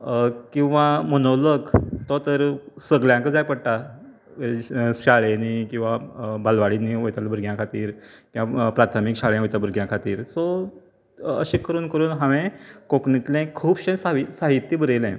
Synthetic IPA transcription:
kĩw̃ʋãmənoləɡt̪ɔt̪əɾsəɡljãŋkəd͡zajpəɽt̪a | ɕaɭenikĩw̃ʋabalʋaɽiniʋojt̪albəɾɡjãkʰat̪iːɾkĩapɾat̪ʰmikɕaɭẽʋojt̪abəɾɡjãkʰat̪iːɾsɔ | ə̰ɕikːəɾuːnkəɾuːnɦaʋẽkõkɳit̪lẽkʰuːbɕẽsaisaɦit̪ːibəɾelɛ̰̃

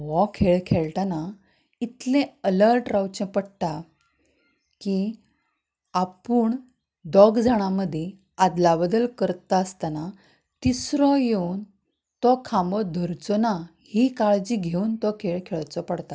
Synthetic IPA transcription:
ʋɔkʰeɭkʰeɭʈana | it̪lẽələɾʈɾawt͡ɕɛ̃pəɽt̪a | ki | apuːɳ | ɖɔɡd͡zaɽ̃aməd̪ʱje | ad̪labəd̪əlkəɾt̪aəst̪ana | t̪isɾɔjeuːn | t̪ɔkʰambɔd̪ʱəɾt͡sɔnahikaɭd͡ʑiɡʱeunt̪ɔkʰeɭkʰeɭt͡sɔpəɽt̪a

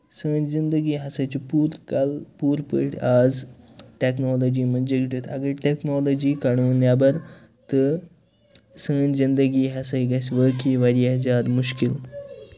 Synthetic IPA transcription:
səːnzind̪əɡiːɦɐsajt͡ʃipuːɾkɐlpuːɾpə̰ʈʰaːd͡z | ʈeknɔlod͡ʑiːmənd͡ʑekʈet̪ɐ̰ɡəɾʈeknɔlod͡ʑiːkaɽ̃unjabəɾ | t̪ə | səːnzind̪əɡiːɦɐsajɡɐsʋəːkiʋɐɾiad͡zaːd̪muʃkil

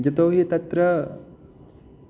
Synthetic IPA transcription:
d͡ʒɐt̪oːɦit̪ɐt̪ɾɐ

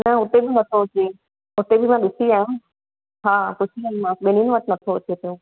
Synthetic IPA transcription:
nɐʊt̪ebɪnɐt̪ʰoʊt͡ɕe | ʊt̪ebɪmãɗʊsiaːɦũ | ɦaːkʊsʰiaːɦĩmãɓɪninõʋɐt̪nɐt̪ʰoʊt͡ɕet̪ijõ

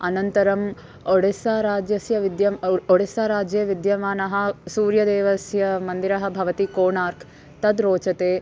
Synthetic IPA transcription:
ɐnɐnt̪ɐɾɐm | oɽesaːɾaːd͡ʒjɐsjɐʋid̪jɐmoɽesaːɾaːd͡ʒjɐʋid̪jɐmaːnɐɦɐsuːɾjɐd̪eːʋɐsjɐmɐnd̪iɾɐɦɐ̆bʱɐʋɐt̪ikoːɳaːɾkʰ | t̪ɐd̪ɾoːt͡ʃɐt̪eː

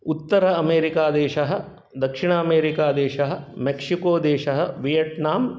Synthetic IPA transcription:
ut̪ːɐɾɐɐmeːɾikaːd̪eːʃɐɦɐ̆ | d̪ɐkʂiɳɐɐmeːɾikaːd̪eːʃɐɦɐ̆mekʂikoːd̪eːʃɐɦɐ̆ʋijeʈnaːm

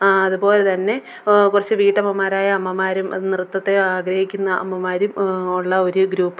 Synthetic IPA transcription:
aɐðubo̞ːle̞t̪ɐnːe̞ | kurɐt͡ɕːɨʋiːʈːɐmːɐmːaːɾaːjɐɐmːɐmaːɾumnirut̪ːɐt̪ːe̞aːɡɾɐhikʲːunːɐʔɐ̰mːɐmaːɾumuɭːɐoɾuɡɾuːpːɨ

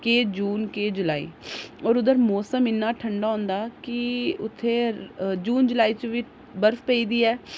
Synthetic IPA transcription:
keːd͡ʒuːnkeːd͡ʒʊlaːḭːɔːɾʊd̪əɾmɔːsəmɪnːaːʈʰəɳɖaːɦõːnd̪aːkɪʊt̪ʰːeːd͡ʒuːnd͡ʒʊlaːiːt͡ʃəʋiː | bəɾfpɛiːd̪iːɛː

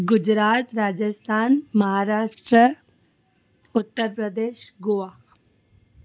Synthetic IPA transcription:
ɡʊd͡ʒɾaːt̪ɾaːd͡ʒəst̪ʰaːnmɐɦaːɾaːʃʈɾə | ʊt̪ːəɾpɾəd̪eːʃɡoʋaː

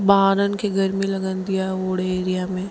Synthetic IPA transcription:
baːɾənkeɡʱɐɾmẽlɐɡənd̪ijaɦɛoːɽeeːɾijamẽ

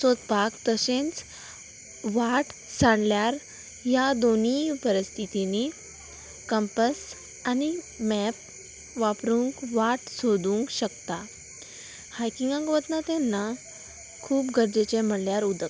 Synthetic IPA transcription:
sot̪̚pakt̪əsẽnt͡s | ʋaʈsãɳljaɾ | jad̪on̤ipəɾəst̪ʰit̪ine | kəmpəs | ani | mɛp̚ | ʋapɾũŋkʋaʈsod̪ũŋkɕəkt̪a | hajkiŋɡãŋkʋət̪nat̪anːa | kʰuːpɡəɾd͡zet͡ɕem̤əɽljaɾud̪ək

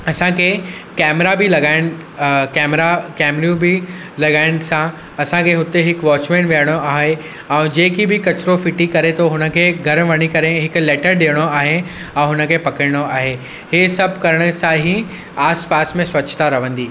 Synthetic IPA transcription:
ɐsãkʰeːkɛːmɾabʱɪlɐɡaːɪn | kɛːmɾakɛːmɾjũbɪ | lɐɡaːɪñɪ̆sã | ɐsãkʰeɦʊt̪eɦɪkʋɔːt͡ɕmẽːɳʈʋiəɽ̃oaːɦe | ɛ̃ːd͡ʑeːkibɪkɐt͡ɕɪɾofɪʈikɐɾet̪ʰoɦʊnə̆kʰeːɡʱɐɾʋɐɽ̃ikɐɾeɦɪklɛːʈəɾɗeːɽ̃oaːɦe | ɛ̃ːɦʊnə̆kʰeːpɐkəɽɪɽ̃oaːɦe | ɦeːsɐbʱkɐɾəɽ̃ʊ̆sãɦi | aːspaːsmẽswʋɐt͡ɕʰt̪aɾɐʋə̃nd̪iː

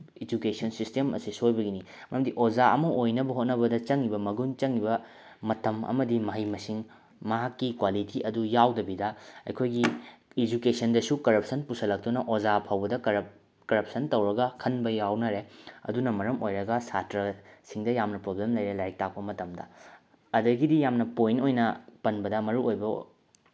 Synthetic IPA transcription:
ed͡ʒukesɐnsistemɐ̰sisojbɐɡini | mɐjɐmdiʔod͡ʒaɐ̰mɐʔojnɐbɐɦot̚nɐbɐdɐt͡ʃɐŋibɐmɐɡunt͡ʃɐŋibɐ | mɐtʰɐmɐ̰mɐdimɐɦɐjmɐsiŋ | mɐɦakːikwalitʰiʔɐdujawdɐbidɐɐ̰jkʰojɡiːd͡ʒukesɐndɐsukɐɾɐp̚sɐnpusɐlɐk̚tunɐʔozapʰawbɐdɐ | kɐɾɐp̚sɐntɐwɾɐɡɐkʰɐnbɐjawnɐɾeɐ̰dunɐmɐɾɐmojɾɐɡɐsatɾɐsiŋdɐjamnɐpɾoblemlɐjɾelajk̚tʰak̚pɐmɐtɐmdɐ̰ | ɐdɐɡidijamnɐpojnojnɐpɐnbɐdɐmɐɾuojbɐ

